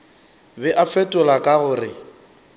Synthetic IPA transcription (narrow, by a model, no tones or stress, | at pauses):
bɛʔafɛtʼʊlakʼaɣʊrɪ